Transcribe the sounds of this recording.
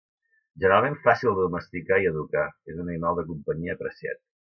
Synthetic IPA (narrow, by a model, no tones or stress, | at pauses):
ʒənəɾalˠmeɱfasilˠd̪uməst̪ikaiəðukaezunəinɔβəkumpəɲiəːpɾəsia̰t̪̚